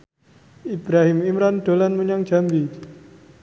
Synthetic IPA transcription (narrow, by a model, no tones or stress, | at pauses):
ib̥ɾaɦɪmimɾanɖ̥o̤lanməɲaŋ̥d͡ʒ̥a̤mbi